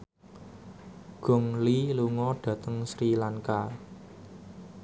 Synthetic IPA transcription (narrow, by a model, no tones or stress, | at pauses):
ɡ̥ɔ̤ŋliluŋɔɖ̥ä̤t̪əŋsɾilaŋka